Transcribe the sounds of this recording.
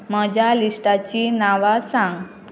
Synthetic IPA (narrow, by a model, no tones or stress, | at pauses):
məd͡ʑjaliʂʈat͡ɕinaʋasãŋɡ